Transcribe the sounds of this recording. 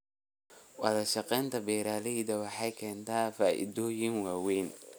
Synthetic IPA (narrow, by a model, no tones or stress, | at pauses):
wɐðɐʃɑqɛːnt̪ʰɐbɛːɾaːlɪðɐwɑħɑjkʰɛːnt̪ʰaːfaːʔɪ̰dɔːjɪŋwaːwɛːn